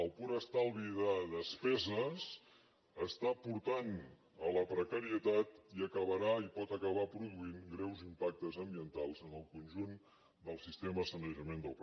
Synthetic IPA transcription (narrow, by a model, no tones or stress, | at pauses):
əlˠpuɾəst̪alˠβiðəðəspɛzəs | əst̪apuɾt̪an | ələpɾəkəɾiət̪at̪iəkəβəɾaipɔt̪əkəβ̞apɾuðuinɡɾɛwzimpak̚t̪əzəmbiənt̪alˠzənəlˠkunʲʒun | d̪əlˠsist̪eməsənəʒəmend̪əlˠp